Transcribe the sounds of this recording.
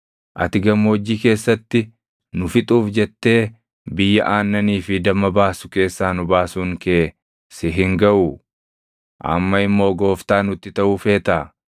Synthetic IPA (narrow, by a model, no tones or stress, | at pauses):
ʔɐ̰t̪ɪɡɐmːoːd͡ʒːiːke̞ːsːɐt̪ːɪ | nʊfɪt̪ʼuːfd͡ʒɛt̪ːe̞ː | bɪjːɐʔaːnːɐniːfɪd̪ɐmɐbaːsʊ̥ke̞ːsːaːnʊbaːsuːŋkeː | sɪɦɪŋɡɐʔu | ʔɐ̰mːɐɪmːo̞ːɡo̞ːft̪aːnʊt̪ːɪt̪ɐʔuːfe̞ːt̪a